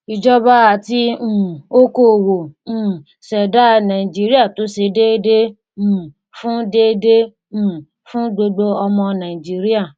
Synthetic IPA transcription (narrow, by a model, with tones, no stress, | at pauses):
i˧d͡ʒɔ˦ba˦a˨ti˧˨o˦ko˦˨wõ˨ | sɛ˨da˦˧nã˨ĩ˨d͡ʒi˦ɾi˦a˦˨to˨˦ʃe˧de˦dẽ˦˨ | fũ˦de˦dẽ˦˨ | fũ˦ɡ͡bo˧ɡ͡bo˧ɔ˧mɔ̃˧nã˨i˨d͡ʒi˦ɾi˦a˦˨